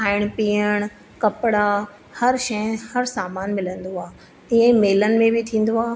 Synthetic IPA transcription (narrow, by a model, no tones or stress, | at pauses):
aːɪɽ̃piːəɽ̃ | kɐpɽã | hɐɾʃɐə̃hɐɾsaːmaːnmɪlə̃nd̪oaːɦ | ɪə̃meːlənɪ̆mẽbʱɪt̪ʰĩːn̆d̪oaː